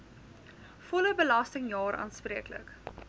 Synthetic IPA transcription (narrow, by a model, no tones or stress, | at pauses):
fɔləbəlɐstəŋjɑːɾʔɑ̰ːnspriəklə̰k